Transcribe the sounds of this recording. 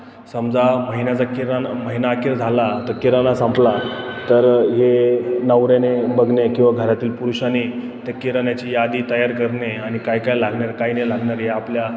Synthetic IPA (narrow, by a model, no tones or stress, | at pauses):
səmd͡zaməɦinjad͡zakiɾaməɦinakiɾd͡zʱalat̪əkiɾənasãmplat̪əɾɦenəʋɾenebəɡnekĩw̃ʋaɡʱəɾat̪iːlpuɾuɕani | t̪ekiɾənjat͡ɕijad̪iːt̪əjaɾkəɾneañikajkajlaɡɳaɾkainelaɡnaɾɦeaplja